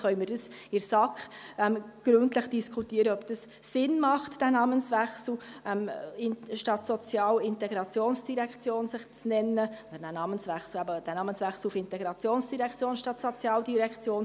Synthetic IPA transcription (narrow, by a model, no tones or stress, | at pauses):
χœʏmɪɾdəsɪɾsɑkχɛmɡ̥ɾʉntləχd̥iskʰutiəɾəœpd̥əs | sɪnmɑχtd̥ænɑːmənsʋæχsl̩ɛmnʃtɑtsɔt͡sjɑːlɪntɛɡɾɑt͡sjoːnsd̥iɾɛkʰt͡sjoːnsɪχt͡snɛnːəod̪əɾdænɑːmənsʋæχsl̩æbəd̥ænɑːmənsʋæχsl̩ufɪntɛɡɾɑt͡sjoːnsd̥iɾɛkt͡sjoːnʃtɑtsɔt͡sjɑːldiɾɛkt͡sjoːn